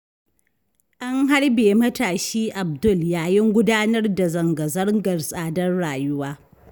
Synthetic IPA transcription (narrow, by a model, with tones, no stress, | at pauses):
ʔa˦ŋɦa˦ɽbeː˨mɐ˦taː˨ʃiː˦ʔa˨b̚dʊ˦˨ljaː˦jɪ˦ŋɡʷʊ˦daː˦nɐ˦rda˨zɐ˨ŋɡɐ˨zɐ˦rɡɐ˨rsʼaː˦dɐ˦rɽaː˨jʊ˦waː˦